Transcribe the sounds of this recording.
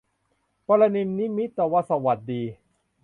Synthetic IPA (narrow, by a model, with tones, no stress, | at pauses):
pɔ˧la˧niː˧ni˦˥mi˦˥t̪ːɛː˨˩wa˧sa˧wa˨˩t̪̚diː˧